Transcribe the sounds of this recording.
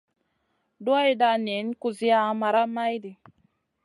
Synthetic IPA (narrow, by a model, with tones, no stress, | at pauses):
do˦i˦da˨ne˨˦n˦ku˨zi˦a˦a˨ma˨ɾa˦ma˦jdi˨